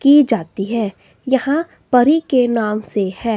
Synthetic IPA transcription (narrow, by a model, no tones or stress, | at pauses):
kid͡ʒaːt̪iɦɛː | jɐhã | pɐɾikenaːmsehɛː